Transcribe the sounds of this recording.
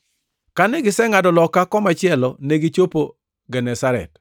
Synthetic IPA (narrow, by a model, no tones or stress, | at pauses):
kanɛɡɪsɛŋadɔlɔkakɔmat͡ʃɪɛlɔneɡɪt͡ʃopo | ɡɛnɛsaɾɛ̰t